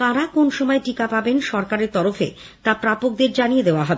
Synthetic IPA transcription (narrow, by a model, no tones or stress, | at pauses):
t̪aɾakonʃɔmɔeʈikapabenʃɔɾkaɾeɾt̪ɔɾofḛ | t̪apɾapok̚d̪eɾd͡ʑanijed̪eoaɦɔbe